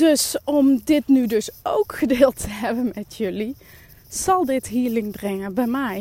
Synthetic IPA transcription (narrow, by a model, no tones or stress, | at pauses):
dɵsɔmdɪtnydɵsowkχədeːlˠtʰəɦɛbənmɛtʰjɵli | z̥ɑlˠdɪtɦiːɹlɪŋbrɪŋənbɛjmɛj